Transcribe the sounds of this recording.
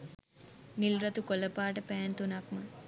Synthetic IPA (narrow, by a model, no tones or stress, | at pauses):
nilɾɐt̪ukoləpaːʈəpæːnt̪unakmə